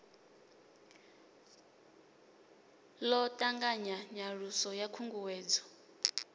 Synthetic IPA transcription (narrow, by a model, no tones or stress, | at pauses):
lɔtʼaŋɡaɲaɲaɺusɔjakʰuŋɡuwɛːd͡zɔ̥